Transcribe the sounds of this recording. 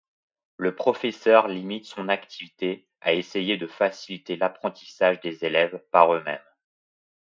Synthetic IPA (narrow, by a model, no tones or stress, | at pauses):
ləpχɔfɛsœʁlimit̪sɔ̃nakt̪ʰivit̪e | a̰esejed̪əfasilit̪elapχɑ̃t̪i̥saʒd̪ezelɛvpaʁømɛ̰m